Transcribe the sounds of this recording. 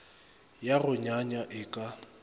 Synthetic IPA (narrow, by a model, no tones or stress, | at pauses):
jaɣʊɲaɲaʔɪkʼa